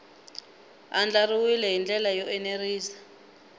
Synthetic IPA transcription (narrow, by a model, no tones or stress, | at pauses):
and͡ɮariwilɛɦind͡ɮɛlajɔʔɛneriːsḁ